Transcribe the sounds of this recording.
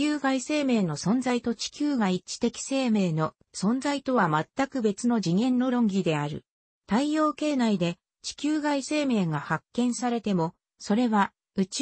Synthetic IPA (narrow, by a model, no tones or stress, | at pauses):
ɨːɡaise̞ːme̞ːno̞sõ̞nd͡zait̪o̞t͡ɕi̥kʲɨːɡait͡ɕi̥t̪e̞kʲi̥se̞ːme̞ːno̞ | sõ̞nd͡zait̪o̞βamat̪ːakɯ̟be̞t͡sɨno̞ʑiŋẽ̞nːo̞ɾõ̞ŋɡʲid̪e̞aɾɯ̟̰ | t̪aijo̞ːke̞ːnaid̪e̞ | t͡ɕi̥kʲɨːɡaise̞ːme̞ːɡahakːẽ̞ɰ̃saɾe̞t̪e̞mo̞ | so̞ɾe̞βa | ɯ̟t͡ɕ